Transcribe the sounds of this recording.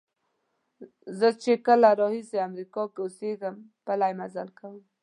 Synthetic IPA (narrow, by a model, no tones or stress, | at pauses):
zət͡ʃekəlaɾɑhiseamɾikɑkeoseɡəmpəlajmazalkawəm